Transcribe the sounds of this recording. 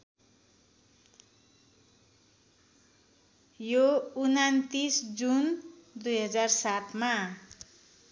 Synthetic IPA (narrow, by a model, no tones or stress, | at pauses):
jounant̪isd͡zund̪ujɦʌd͡zarsat̪ma